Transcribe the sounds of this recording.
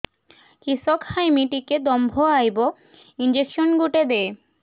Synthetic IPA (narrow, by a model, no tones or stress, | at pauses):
kiʃokhajmiʈiked̪ɔmbʱoajbo | ind͡ʑekʃonɡuʈed̪e